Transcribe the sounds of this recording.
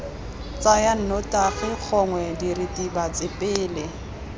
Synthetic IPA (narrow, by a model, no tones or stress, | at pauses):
t͡sajan̩nɔtʼaɣɪk͡xʰɔŋwɛdiritʼibat͡sʼɪpʼɪːlɪ